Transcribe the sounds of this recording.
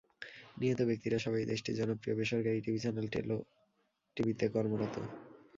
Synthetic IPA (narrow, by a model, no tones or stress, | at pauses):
niɦot̪obek̚t̪iɾaʃɔbajd̪eʃʈid͡ʑɔnopɾiobeʃɔɾkaɾiʈibʱit͡ɕɛnelʈḛlo | ʈibit̪ekɔɾmoɾɔt̪o̰